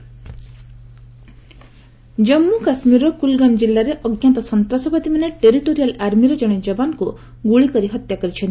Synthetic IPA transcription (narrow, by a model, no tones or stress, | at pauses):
d͡ʒɔmːukasmiɾɔkulɡamd͡ʒilːaɾeʔɔɡjant̪ɔsɔnt̪ɾasɔpad̪imaneʈeɾiʈoɾijalaɾmiɾed͡ʒɔɽ̃ed͡ʒɔbanku | ɡuɭikɔɾiɦɔt̪jakɔɾit͡ʃʰɔ̃nt̪i̥